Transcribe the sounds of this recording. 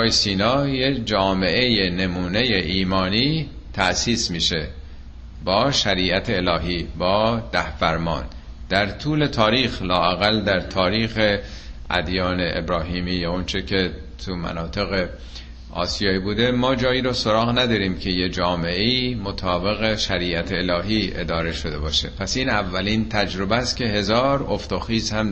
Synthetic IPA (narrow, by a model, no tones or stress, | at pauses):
jsiːnɒːjed͡ʒɒːme̞ʔejene̞muːne̞jeʔiːmɒːniː | t̪ʰæʔsiːsmiːʃe̞ | bɒːʃæɾiːʔæt̪ʰe̞ːlɒːɦiːbɒːd̪̥æhfæɾmɒ̰ːn | d̪̥æɾt̪ʰuːle̞t̪ʰɒːɾiːxlɒːæɣæld̪æɾt̪ʰɒːɾiːxeʔæ̰d̪jɒːne̞ʔːbɾɒːɦiːmiːjɒont͡ʃʰecʰe̞ | t̪ʰumæ̰nɒːt̪ʰe̞ɣe | ɒ̰ːsijɒːiːbuːd̪e̞mɒːd͡ʒɒːjiːɾɒːso̞ɾɒːɣnæd̪ɒːɾiːmcʰe̞jed͡ʒɒːme̞eiːmot̪ʰɒːbe̞ɣe̞ʃæɾiːæt̪ʰeːlɒːɦiːʔe̞d̪ɒːɾe̞ʃo̞d̪e̞bɒːʃḛpʰæsiːnævːælint̪ʰæd͡ʒɾo̞bæst̪cʲʰe̞ɦe̞zɒːɾo̞ft̪oxiːzhæm